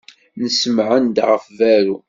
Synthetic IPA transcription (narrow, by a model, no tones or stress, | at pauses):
nəsəmʕənd̪ʁəfvæɾu